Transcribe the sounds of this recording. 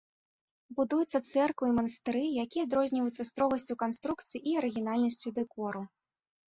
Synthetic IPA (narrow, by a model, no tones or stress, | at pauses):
bud̪ujut̪sːɐt̪sɛrkvɨimɐnɐst̪ɨɾɨjakʲiɛad̪ɾɔzʲnʲivɐjut̪sɐst̪ɾɔɣɐsʲt͡sʲukanst̪ɾukt̪sɨjiʔiɐɾɨɣʲinalʲnɐsʲt͡sʲud̪ɛkɔɾu